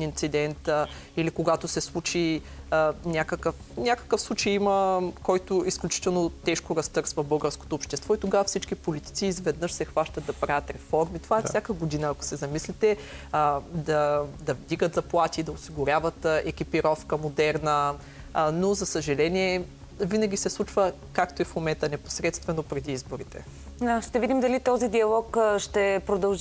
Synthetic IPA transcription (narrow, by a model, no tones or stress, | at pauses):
int̪sid̪ɛnt̪ | ilikoɡat̪osɛslˠut͡ʃi | nʲakəkəfnʲakə̥kəfslˠut͡ʃɛjiməkɔjt̪oisklʲut͡ʃi̥t̪ɛlˠnot̪ɛʃkoɾɐst̪ɤɾsvəbɤlˠɡəɾsko̥t̪oːpʃt̪ɛst̪vɔit̪oɡavɐfsit͡ʃkipolit̪i̥t̪siːzvɛd̪nəʃsɛxvaʃt̪ɐd̪̚d̪ɐpɾavjət̪ɾɛfɔɾmit̪ovaɛssʲakəɡod̪inəːko̥sɛzɐmislit̪ɛ | d̪ɐd̪ɐvd̪iɡət̪zɐplˠat̪ʲiːd̪ɐosiɡʊɾʲavət̪ʔɛkʲipiɾɔfkəmod̪ɛɾnə | nozɐsəʒɛlɛniɛ | vinɐɡ̟ʲisɛslˠut͡ʃvə | kakt̪oɛfmomɛnt̪ənɛpo̥sɾɛt̪st̪vɛnopɾɛd̪iizboɾit̪ɛ̰ | aʃt̪ɛvid̪imd̪ɐlit̪ɔzid̪iɐlˠɔkʃt̪ɛpɾod̪ɐlˠʒ